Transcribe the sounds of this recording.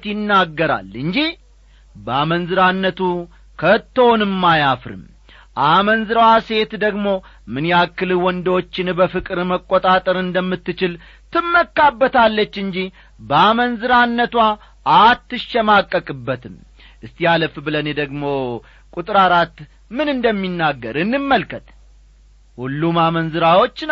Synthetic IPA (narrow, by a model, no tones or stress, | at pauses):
t̪jɪnːaɡːəɾa̰lɨɲd͡ʒi | bəamənzɨɾanːət̪u | kʰət̪ːownɨmːajafɾɨ̰m | ʔamənzɨɾwase̞t̪d̪əɡmo̞mɨnjakːɨlwɔnd̪ot͡ʃːɪnbəfɨkʼɨɾməkʼːot̪ʼat̪ʼəɾɨnd̪əmːɨt̪ːɨt͡ʃɪl | t̪ʰɨmːəkːabːət̪ʰalːət͡ʃːɨɲd͡ʒi | bəamənzɨɾanːət̪wa | ʔːt̪ːɨʃːɛmakʼːəkʼɨbːət̪ʰɨm | ʔɨst̪jaləfbɨləned̪əɡmo̞ | kʼut̪ʼɾaɾat̪ː | mɨnɨnd̪əmːinːaɡːəɾɨnːɨmːəlkʰət̪ | hulːumamənzɨɾawo̞t͡ʃːn